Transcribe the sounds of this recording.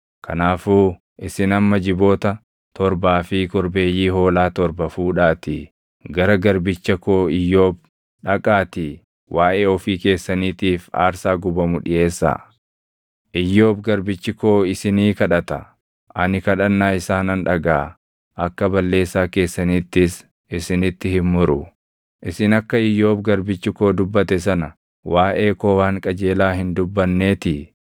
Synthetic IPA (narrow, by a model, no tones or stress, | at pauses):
kʰɐ̰naːfuː | ʔɪsɪnɐmːɐd͡ʒɪbo̞ːt̪ɐ | t̪ɔɾbaːfɪkɔɾbe̞ːjːiːɦo̞ːlaːt̪ɔɾbɐfuːᶑaːt̪ɪ | ɡɐɾɐɡɐɾbɪt͡ʃːɐkoːɪjːoːb̚ | ᶑɐkʼaːt̪ɪ | wʔaːʔeːɔfiːke̞ːsːɐniːt̪iːfa̰ːɾsaːɡʊbɐmʊᶑɪʔe̞ːsːa̰ː | ʔɪjːo̞ːbɡɐɾbɪt͡ʃːɪko̞ːɪsɪniːkɐᶑɐt̪ɐ | ʔɐnɪkɐᶑɐnːaːɪsaːnɐnᶑɐɡaː | ʔɐkːɐbɐlːe̞ːsːaːke̞ːsːɐniːt̪ːɪs | ɪsɪnɪt̪ːɪhɪmmːʊɾʊ | ʔɪsɪnɐkːɐɪjo̞ːbɡɐɾbɪt͡ʃːɪko̞ːd̪ʊbːɐt̪ɛs̬ɐnɐ | waːʔe̞ːko̞ːwaːŋkʼɐd͡ʒe̞ːlaːhɪnd̪ʊbːɐnːe̞ːt̪ɪ